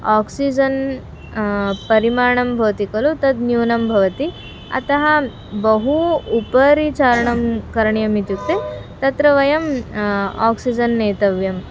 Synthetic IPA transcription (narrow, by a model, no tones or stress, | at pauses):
aːksid͡ʒɐn | pɐɾimaːɾɳɐmbʱɐʋt̪ikɐlut̪ɐd̪njuːnɐmbʱɐʋɐt̪i | ɐ̰t̪ɐɦɐ | bɐɦuːpɐɾit͡ʃaːɾɐɳɐmkɐɾɐɳjɐmit̪juk̚t̪et̪ɐt̪ɾɐʋɐjɐm | a̰ːksid͡ʒɐnːeːt̪ɐʋjɐm